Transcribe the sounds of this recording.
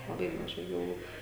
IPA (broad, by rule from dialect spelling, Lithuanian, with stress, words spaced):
lˠɐˈbɐɪ mɐˈʒɐɪ ɡɐlˠˈʋuː